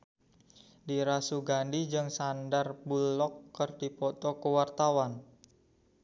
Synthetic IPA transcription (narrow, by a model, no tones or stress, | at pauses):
diɾasuɡandid͡ʒɨŋsandarbulɔkːərd̥ipɔt̪ɔkuwart̪awan